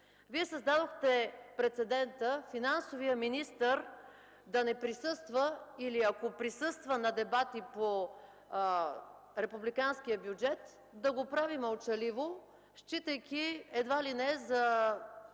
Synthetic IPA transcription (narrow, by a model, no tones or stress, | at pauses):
viɛsɐzd̪ad̪oxt̪ɛpɾɛt̪sɛd̪ɛnt̪əfinansovijəminist̪əɾ | d̪ɐnɛpɾisɤst̪vəiliɐkopɾisɤst̪vənɐd̪ɛbat̪ipo | ɾɛpublikansk̟ijəbjud͡ʒɛt̪ | d̪ɐɡopɾaviməlˠt͡ʃɐlivo | ʃt͡ʃit̪ɐjkʲiɛd̪valinɛɛzɐ